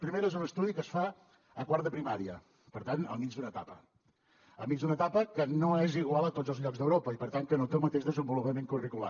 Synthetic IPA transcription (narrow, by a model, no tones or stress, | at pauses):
pɾimeɾezunəst̪uðikəsfa | əkwaɾt̪əpɾimaɾiə̰ | pəɾt̪anə̰lˠmid͡ʒd̪unət̪apə | ə̰mid͡ʒzd̪unət̪apəkənoeziɣwalˠət̪od͡zzəlˠzʎɔkɡzðəwɾopəipəɾt̪aŋkənot̪ewmət̪eʒðəzəmbulupəmeŋkurikula̰